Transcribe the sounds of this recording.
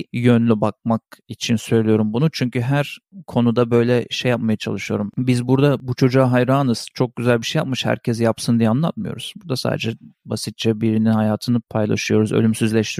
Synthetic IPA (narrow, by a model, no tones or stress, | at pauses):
jønlʲybak̚mak̚it͡ʃʰinsø̞jlʲijo̞ɾumbunut͡ʃʰyɲcyɦæɾkʰo̞nud̪abø̞jlʲɛʃejːap̚majat͡ʃʰa̰lˠɯʃɯjo̞ɾumbizbuɾd̪abut͡ʃʰo̞d͡ʒaːɦajɾaːnɯz̥t͡ʃʰo̞k̚ɟ̥yzælʲbiʃejap̚mɯʃhæ̰ɾcʰɛzjapsɯnd̪ijɛanlˠat̪̚mɯjo̞̰ɾuz̥buɾd̪asa̰ːd̪ɛd͡ʒɛbasit̪̚t͡ʃʰɛbiɾininhajaːt̪ʰɯnɯpʰajlˠa̰ʃɯjo̞ɾuzø̰lʲymsyzlʲɛʃt̪ʰiɾ